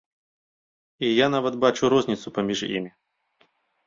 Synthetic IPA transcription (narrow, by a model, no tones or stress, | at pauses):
ijanavɐt̪bat͡ʃʊɾɔzʲnʲɪt̪sʊpɐmʲiʐḭmʲɪ